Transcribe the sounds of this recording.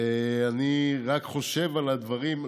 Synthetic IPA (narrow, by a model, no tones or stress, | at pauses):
eaniʁakχo̞ʃe̞valad̪vaʁim